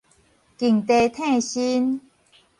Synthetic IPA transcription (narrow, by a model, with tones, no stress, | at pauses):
ki˨˩ŋt̪e˧˩t̪ʰẽ˥˧ɕi˦n